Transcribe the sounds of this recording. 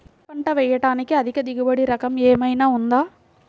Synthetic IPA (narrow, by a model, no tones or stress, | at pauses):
pɐɳʈɐʋɛjɐʈaːnɪkːɯɐðɪkːɐd̪ɪɣɯbɐɽiɾɐkɐmeːmɐjnaːʊnd̪aː